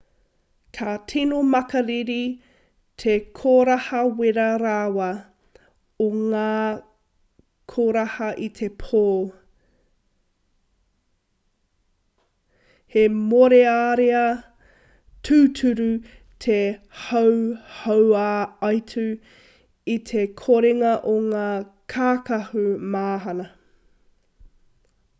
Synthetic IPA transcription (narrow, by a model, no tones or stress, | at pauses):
kʰatʰinomɐkɐɾiɾi | tʰekʰoːɾɐhɐweɾɐɾaːwɐ | oŋaː | kʰoːɾɐhɐʔit̪ʰepʰoːl | hemoɾeaːɾeɐ | tʰʉːtʰʉɾu | tʰe | hɐwhowaɐjtʰʉ | it̪ʰekʰoɾeŋɐʔoŋaːkʰaːkɐhumaːɦɐnɐ